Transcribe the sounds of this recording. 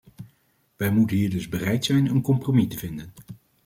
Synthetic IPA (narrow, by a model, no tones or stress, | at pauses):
ʋɛjmutənɦiːɹdɵzbərɛjtsɛjnənkɔmpromitəvɪndən